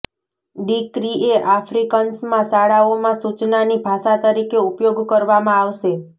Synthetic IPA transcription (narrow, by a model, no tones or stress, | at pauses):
ɖikɾieʔafɾikənsmãsaɽaomãsut͡ʃnanibʱaʃat̪əɾikeupjoɡkəɾʋamãaʋʃe